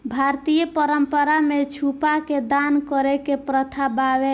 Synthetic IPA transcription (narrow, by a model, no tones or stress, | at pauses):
bʱaɾt̪ijəpəɾəmpəɾamet͡ʃʰupaked̪ankɔɾɛkepɾət̪ʰabaʋe